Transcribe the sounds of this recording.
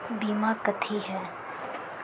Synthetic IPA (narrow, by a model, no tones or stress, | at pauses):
biːmakət̪ʰiɦɛː